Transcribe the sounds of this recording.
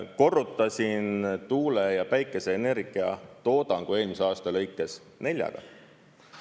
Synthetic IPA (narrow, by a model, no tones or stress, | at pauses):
ko̞rut̪ːˑɑsʲint̪uːlejɑpæjkːˑe̞se̞ːne̞rɡ̥iɑ̰t̪o̞ːd̪̥ɑŋɡ̥ue̞ːlmiselɑːst̪ɑlɤ̞jkːˑe̞s | ne̞lʲjɑ̰ɡ̥ɑ̰